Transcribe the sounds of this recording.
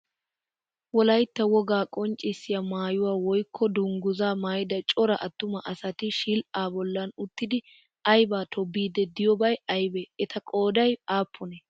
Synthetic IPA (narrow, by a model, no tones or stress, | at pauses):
wɔlɐjt̪ːɐwɔɡaːkʼɔnt͡ʃʼːɪsːɪjɐmaːjʊwaːwɔjkʰːɔd̪ʊŋɡʊzaːmaːjɪd̪ɐt͡ʃʼɔɾɐʔɐt̪ːʊmɐʔɐsɐt̪ɪʃilʔaːbɔlːɐnʊt̪ːɪd̪ɪ | ʔɐjbaːt̪ʰɔbːiːd̪ɛd̪ɪjɔbɐjɐjbɛɛt̪ɐkʼo̞ːd̪ɐjaːpʰːʊnɛ